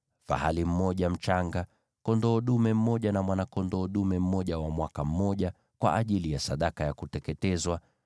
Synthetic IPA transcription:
fa̰halim̩mɔʄam̩t͡ʃaŋɡa | kɔndɔːɗumɛm̩mɔʄanamwanakɔndɔːɗumɛm̩mɔʄawamwakam̩mɔʄa | kwa̰ʔːʄilijasaɗakajakutɛkɛtɛzwa

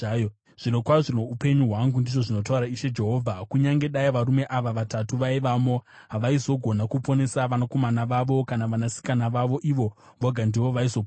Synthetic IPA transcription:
ʐ̥ino̞kwaʐinoupe̞ɲuɦwaŋɡundiʐo̞ʐino̞tauɾaiʃe̞d͡ʒe̞ɦo̞ːvʱakuɲaŋɡe̞ɗaiʋaɾume̞ʔaʋaʋatatuʋaiʋamo̞ | ɦaʋaizo̞ɡʱo̞nakupo̞ne̞saʋanako̞manaʋaʋo̞kanaʋanasi̥kanaʋaʋo̞ʔiʋo̞ | ʋoɡʱandiʋo̞ʋaizo̞p

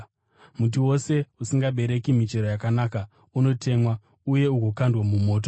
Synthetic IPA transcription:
mut̬iwo̞se̞usiŋɡaɓe̞ɾe̞kimit͡ʃe̞ɾojakanaːka | uno̞tʰe̞mwa | uje̞uɡʱo̞kandwamumo̞ːt̬o

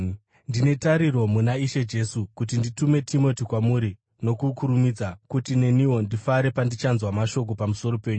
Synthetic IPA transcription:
ndine̞taɾiro̞munaiʃe̞d͡ʒe̞sukut̬inditume̞tʰimo̞tikwamuɾi | no̞kukuɾumid͡zakutine̞niwo̞ndifaɾe̞pandit͡ʃanzwamaʃo̞k̬o̞pamuso̞ɾo̞pe̞ːɲu

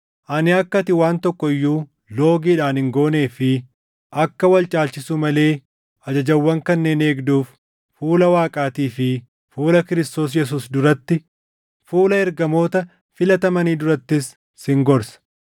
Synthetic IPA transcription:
ʔɐnɪɐkːɐt̪ɪwaːnt̪ɔkːɔɪjːuː | lo̞ːɡiːᶑaːnhɪŋɡo̞ːne̞ːfɪ | ʔɐkːɐwɐlt͡ʃʼaːlt͡ʃɪsuːmɐle̞ː | ʔɐd͡ʒɐd͡ʒɐwːɐŋkɐnːe̞ːne̞ːɡd̪uːf | fuːlɐwaːkʼaːt̪iːfɪ | fuːlɐkɪɾɪst̪o̞ːs̬jɛs̬uːsd̪ʊɾɐt̪ːɪ | fuːlɐɛɾɡɐmo̞ːt̪ɐ | fɪlɐt̪ɐmɐniːd̪ʊɾɐt̪ːɪsː | hɪŋɡɔɾsɐ̥

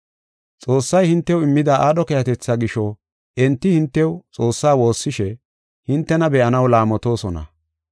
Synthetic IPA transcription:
t͡sʼo̞ːsːɐjhɪnt̪ːɛwɪmːɪd̪aʔaːɗɔkɛjɐt̪ɛt͡sːaɡɪʃɔ | ʔɛnt̪ːɪhɪnt̪ːɛwt͡sʼo̞ːsːaːwo̞ːsːɪʃɛ | hɪnt̪ːɛnɐbɛʔɐnɐwlaːmɔt̪o̞ːsɔnɐ̰

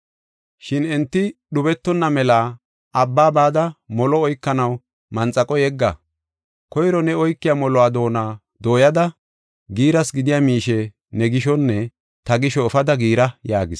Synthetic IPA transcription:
ʃɪnɛnt̪ːɪɗʊbɛt̪ːɔnːɐmɛla | ɐbːaːbaːd̪ɐmɔlɔɔjkːɐnɐw | mɐnt͡sʼɐkʼɔjɛɡːɐ | kɔjɾɔnɛɔjkːɪjaːmɔlɔwaːd̪o̞ːnaː | d̪o̞ːjɐd̪ɐ | ɡiːɾɐsɡɪd̪ɪjaːmiːʃɛ | nɛɡɪʃɔnːɛ | t̪ɐɡɪʃɔːfɐd̪ɐɡiːɾɐjaːɡɪs

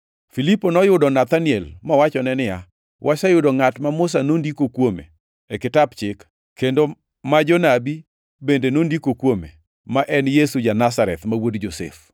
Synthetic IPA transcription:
filipːonɔjʊdɔnat̪aniɛlmɔwat͡ʃɔnɛnɪja | wʔasajʊdɔŋatmamʊs̬anondikokwomḛ | ekɪtabt͡ʃɪk | kːendo | mad͡ʒɔnabi | bendenondikokwomḛ | maʔɛnjesud͡ʒanas̬aɾɛt̪mawodd͡ʒosɛ̰f

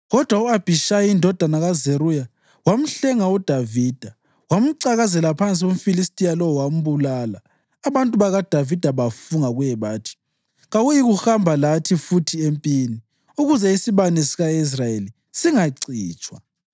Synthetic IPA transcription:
ɣɔd̥ʱwauab̥ʱiʃajindʱɔd̥ʱanaɣazeruja | wam̩ɬɛŋaud̥ʱaviːd̥ʱa | wam̩ǀaɣazɛlapʰant͡sʼiɣum̩filistʼijalɔɔwam̩βulaːlaː | βantʼuβaɣad̥ʱavid̥ʱaβafuŋaɣujɛβaːtʰi̥ | ɣaɣujiɣuxambʱalatʰifutʰiempʼiːni | uɣuzɛisiβanesiɣais̬rajeli | siŋaǀiːt͡ʃʼwa

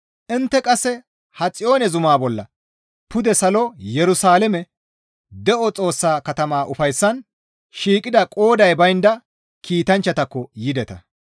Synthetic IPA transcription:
ʔɪnt̪ːɛkʼɐsːɛ | hɐt͡sʼɪjo̞ːnɛzʊmaːbɔlːɐ̰ | pʊd̪ɛsɐlɔjɛɾʊsaːlɛmɛ | d̪ɛʔɔt͡sʼo̞ːsːaːkɐt̪ɐmaːʔʊfɐjsːɐn | ʃiːkʼɪd̪ɐkʼo̞ːd̪ɐjbɐjnd̪ɐ | kʰiːt̪ɐnt͡ʃːɐt̪ɐkːɔjɪd̪ɛt̪ɐ

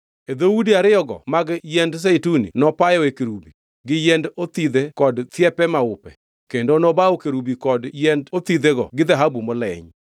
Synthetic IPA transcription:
ed̪owudiaɾɪjɔɡɔ̰maɡjɛnds̬eitunḭnɔpajɔekeɾubi | ɡɪjɛndot̪id̪ekɔdt̪jɛpɛmaʊpɛ̰ | kendonɔbaokeɾubikɔdjɛndot̪id̪eɡɔ̰ɡɪd̪aɦabumɔlɛ̰ɲ

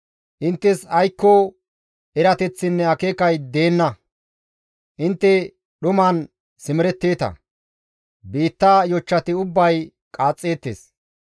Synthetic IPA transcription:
ʔɪnt̪ːɛsɐjkːɔ | ɛɾɐt̪ɛt͡sːɪnːɛɐkeːkɐjd̪e̞ːnːɐ | ʔɪnt̪ːɛ | ɗʊmɐn | sɪmɪɾɛt̪ːeːt̪ɐ̰ | biːt̪ːaːjɔt͡ʃːɐt̪ɪʊbːɐj | kʼaːt͡sʼːeːt̪ːḛːs

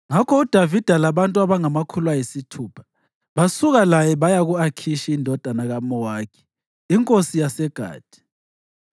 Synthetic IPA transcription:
ŋakʰɔud̥ʱavid̥ʱalaβantʼuaβaŋamakʰulwajisitʰuːpʰḁ | βasuɣalajɛβajaɣuakʰiʃiːndʱɔd̥ʱanaɣamɔwaːkʰi̥ | iŋkʼosijasɛɡ̥ʱa̰ːd̥ʱi̥

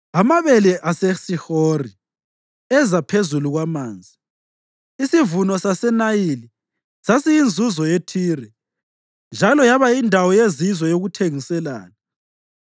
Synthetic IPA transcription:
amaβɛlɛʔasesihori | ɛzapʰezuluɣwamaːnd͡zʱi | isivunɔsasɛnajili | sasijind͡zʱuzɔjetʰiːrɛ | nd͡ʒʱalɔjaβaindʱawɔjezizwɔjoɣutʰeŋisɛla̰ːna

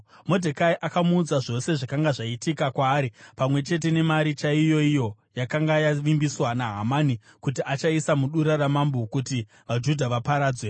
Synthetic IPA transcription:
mo̞dʱekaiʔakamuːd͡zaʐo̞se̞ʐakaŋɡaʐaitikakwaːɾipamwe̞t͡ʃe̞t̬e̞ne̞maɾit͡ʃaijo̞ijo̞ | jakaŋɡajaʋimbiswanaɦamani | kutiʔat͡ʃaisamuɗuɾaramambokuti | ʋad͡ʒudʱaʋapaɾaːd͡zwe

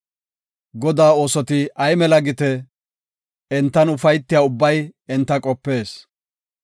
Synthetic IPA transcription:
ɡɔd̪aːo̞ːsɔt̪ɪɐjmɛlɐɡɪt̪ɛ | ɛnt̪ːɐnʊfɐjt̪ːɪjaːʊbːɐjɛnt̪ːɐkʼɔpːe̞ːs

